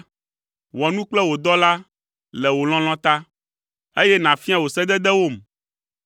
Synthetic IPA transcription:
wɔ˨nũ˦k͡plɛ˦wo˨d̪ɔ˦la˦ | lɛ˨wo˨l̃ɔ̃˦l̃ɔ̃˦t̪a˦ | e˦jɛ˦nã˨fi˦a˨wo˨sɛ˦d̪ɛ˦d̪ɛ˦wo˦˨m

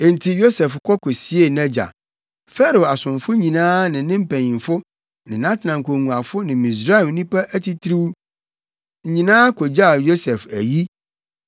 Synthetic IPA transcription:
e˨n˨tʰi˨jo˦sɛ˨fkʰɔ˦kʰɔ˨si˦e˦˨nɛ̃˦d͡ʑa̰˨ | fɛ˦ɾo˨a˨sʊ̃˨ɱfʊ˦ɲĩ˨nãː˦nɪ̃˨nɪ̃˦m̩˦pʰæ̃˨ɲĩ˨mfʊ˦ | nɪ̃˨nã˦tʰnã˨ŋkʰo˨ŋũ˨a˨fʊ˦nɪ̃˨mĩ˨s̬ɾa˦ɛ˨m˦nĩ˦pa˦ʔæ˦tʰi˦tʰɾi˦w | ɲ̩˨ɲĩ˨nãː˦kʰo˨d͡ʑa˦˨jo˦sɛ˨fæ̰˨ji˦

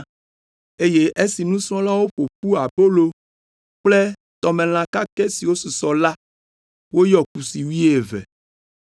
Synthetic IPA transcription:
e˦je˦ʔe˦si˨nũ˦sɔ̃˦la˦wo˦ɸo˨ɸu˦a˨po˦lo˨ | k͡ple˦ | t̪ɔ˨mẽ˨l̃ã˨ka˦ke˦si˨wo˦su˨sɔ˨la˦ | wo˦jɔ˨ku˨si˨wi˦e˨vɛ̰˨

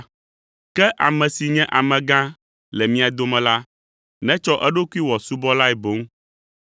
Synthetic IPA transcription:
kɛ˦ʔa˨mɛ̃˨si˨ɲɛ̃˦ʔa˨mɛ̃˨ɡã˦ | lɛ˨mĩ˦a˨d̪o˦mɛ̃˨la˦ | nɛ̃˦t͡ʃɔ˦ʔɛ˦ɖo˦ku˦i˦wɔ˨su˦bɔ˦la˦ɛ˨bo˨˦ŋ˦

